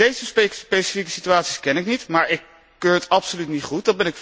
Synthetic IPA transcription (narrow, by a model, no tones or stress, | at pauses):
ejzəsspejsə̥fikəsityaːtsiskɛnɪknitmaːɹɪkː | øːɹətɑpsolytnitχut̚dɑd̚bɛnɪk